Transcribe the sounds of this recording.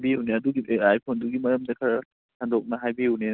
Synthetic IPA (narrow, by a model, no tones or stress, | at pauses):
biuneɐduɡiajpʰonduɡimɐɾɐmdɐkʰɐɾ | handok̚nɐɦajbiune